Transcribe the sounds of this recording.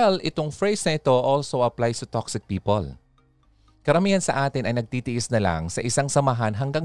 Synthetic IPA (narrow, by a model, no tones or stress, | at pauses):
ɛlɪt̪o̞ŋfɹejsnɐʔɪt̪o̞ʔolsowʔɐplajsɐt̪oksɪk̚piːpo̰l | kɐɾɐmiːhɐnsɐʔaːt̪ɪnʔɐjnɐɡ̚t̪iːt̪ɪʔɪsnɐlɐ̰ŋsɐʔɪsaŋsɐmɐɦanɦɐŋɡaŋ